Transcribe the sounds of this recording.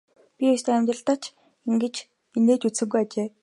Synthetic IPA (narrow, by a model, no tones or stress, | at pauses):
pʲiʊjst̪eːæmʲt̪rə̆ɬt̪ə̆t͡ɕʰ | iŋɡɘ̆t͡ɕ | ineːt̪ut͡ssɘ̆ŋɡujat͡ɕeː